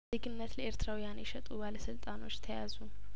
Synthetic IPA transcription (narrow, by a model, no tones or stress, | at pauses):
eɡɨnːət̪ləe̞ɾt̪ʰɨɾawijanjɛʃɛt̪ʼubaləsɨlt̪ʼano̞t͡ʃːt̪ʰəja̰zu